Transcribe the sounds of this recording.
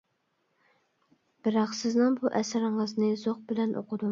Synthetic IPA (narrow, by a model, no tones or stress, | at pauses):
b̥ɪɾɑqsɪznɨŋbuʔɛsɾɪɴəznɨzoq̚bɪlɛnʔo̰qʰʊd̪u